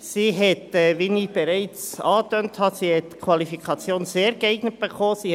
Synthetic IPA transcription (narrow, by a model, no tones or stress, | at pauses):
siːɦɛt̪ɛʋinib̥eɾɛɪt͡sɑːtœnthɑsiːhɛt̪kʰwɑlifikʰɑt͡sjoːnseːɾɡɛɪɡ̥nət̚b̥eχoːsi